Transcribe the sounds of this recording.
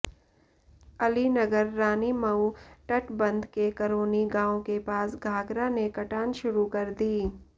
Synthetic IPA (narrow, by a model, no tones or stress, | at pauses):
ɐlinɐɡəɾːaːnimɐuʈɐʈbɐ̃nd̪kekɐɾoːniɡãːõkepaːsɡʱaːɡɾanekɐʈaːnʃʊɾukɐɾd̪iː